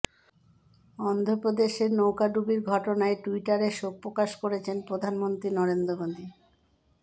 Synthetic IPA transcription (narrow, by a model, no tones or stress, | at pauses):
ɔnd̪ʱopɾod̪eʃeɾnowkaɖubiɾɡʱɔʈonaeʈuiʈaɾeʃok̚pːɾokaʃkoɾet͡ɕʰenpɾod̪ʱanmont̪ɾinɔɾend̪ɾomod̪ʱi